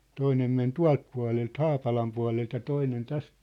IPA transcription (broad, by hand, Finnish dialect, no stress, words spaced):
toinem men tuɑ̝lt puɑ̝lelt hɑːpɑlɑm puɑ̝lelt jɑ toinen tæst